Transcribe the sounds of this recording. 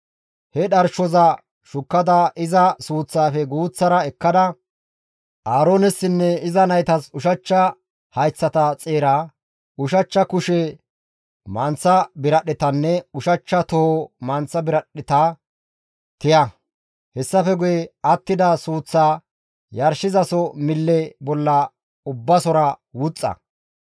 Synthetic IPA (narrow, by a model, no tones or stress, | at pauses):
hɛɗɐɾʃɔzɐ | ʃʊkːɐd̪ɐʔɪzɐsuːt͡sːaːfɛɡuːt͡sːɐɾɐɛkːɐd̪ɐ | ʔaːɾoːnɛsːɪnːɛɪzɐnɐjt̪ɐsʊʃɐt͡ʃːɐ | hɐjt͡sːɐt̪ɐt͡sʼeːɾaː | ʊʃɐt͡ʃːɐkʊʃɛ | mɐnt͡sːɐbɪɾɐɗɪt̪ɐnːɛʊʃɐt͡ʃːɐt̪ɔhɔmɐnt͡sːɐbɪɾɐɗɪt̪ɐ | t̪ɪjɐ | hɛsːɐfɛɡʊjɛɐt̪ːɪd̪ɐsuːt͡sːaː | jɐɾʃɪzɐsɔmɪlːɛbɔlːɐ | ʊbːɐsɔɾɐwʊt͡sʼːɐ̰